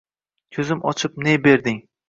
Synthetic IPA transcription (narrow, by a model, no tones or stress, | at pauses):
kʲʰɵzɪmʔɒ̰t͡ʃʰɪp̚nebe̞ɾd̪ɪŋ